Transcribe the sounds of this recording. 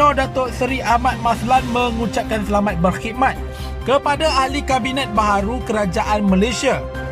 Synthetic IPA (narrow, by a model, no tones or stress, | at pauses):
ɔdat̪osəɾiamãt̪̚mãslanmə̃ŋũt͡ʃap̚kansəlamat̪̚bərxit̪̚mãt̪̚ | kəpadaːhlikabinɛ̃t̪̚baɦaɾukəɾad͡ʒaʔanmãlesia